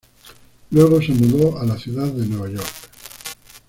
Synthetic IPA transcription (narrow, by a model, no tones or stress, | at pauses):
lweɣ̞osanuðoalaθjuðaððenweβ̞aʝoɾk